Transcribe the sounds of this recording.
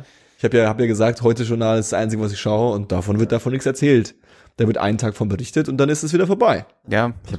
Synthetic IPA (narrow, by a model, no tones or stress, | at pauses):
ɪçhaːbjaːhaːbəjaːɡəzaːk̚tɦɔʏtəʒʊɐnaːlɪstsʔa̰ɪnt͡sɪɡəvas̬ɪçʃaʊəʊnt̚d̥afɔnvɪɐt̚d̥afɔnːɪçt͡ssɛɐt͡sɛːlt | d̥aːvɪɐtʔa̰ɪnəntʰaːkfɔnbəʁɪçtətʊnt̚d̥anɪstɛs̬viːdɐfoːɐbaɪ | jaːɪça